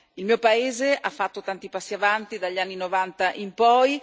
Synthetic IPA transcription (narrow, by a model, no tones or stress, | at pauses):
ilmiːopaeːzeʔafːat̪ːot̪ant̪ipasːiavant̪id̪aʎːanːinovant̪aʔimpɔj